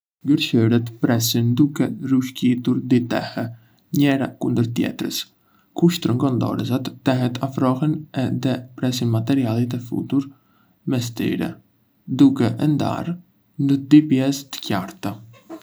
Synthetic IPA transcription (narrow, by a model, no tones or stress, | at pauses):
ɡəɾʃəɾɛt̪pɾɛsind̪ukɛruʃkit̪uɾd̪it̪ɛ̰hɛ | ɲɛɾa̰kund̪əɾt̪jɛ̰t̪ɾə̰s | kuʃt̪əɾəŋɡɔnd̪ɔ̰ɾɛsat̪ːɛɦɛt̪ʰafɾɔɦɛnɛðɛpɾɛsinmat̪ɛɾialˠit̪ɛfṵt̪uɾ | mɛs̬t̪ḭɾɛ̰ | d̪ukɛʔɛnd̪a̰ɾ | nəd̪ipjɛst̪ə̥caɾt̪a